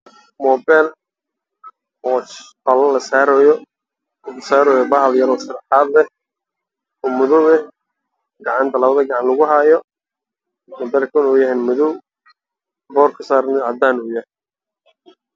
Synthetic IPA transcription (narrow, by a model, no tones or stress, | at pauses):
mɔːbɛːl | ɔːqɐlɐlɐsaːɾɔːjɔ | ɡɐsaːɾɔːjɔbɐɦɐljɐɾɔːsɐd̪ħaːd̪lɛ | ɔmʊðʊwɛ | ɡɑʕɑnt̪ʰɐlɐβɐðɐɡɑʕɑnlɐɣʊɦaːjɔ | mɔd̪ɐlkʰʊnɔjɐɦɛnmʊðʊ | bɔːrkʰʊsaːɾnɛʕɑd̪aːnʊjɐh